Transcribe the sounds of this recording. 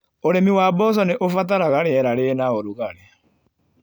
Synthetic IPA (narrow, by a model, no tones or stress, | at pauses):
oɾemiwaːbɔs̬ɔneʔofat̬aɾaɣaɾeɛɾaɾenaoɾuɣaɾe